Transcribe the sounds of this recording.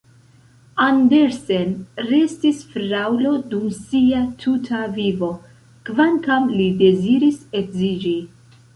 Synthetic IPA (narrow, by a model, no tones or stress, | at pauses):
andeɾse̞nɾe̞stisfɾawlo̞dumsiatʰutʰavivo̞ | kvaŋkamlide̞ziɾise̞kzid͡ʒi